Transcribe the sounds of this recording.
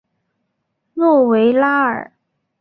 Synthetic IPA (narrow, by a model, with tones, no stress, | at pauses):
nwɔ˥˩we˧˥ɪla˥ə̰˞˨˩˦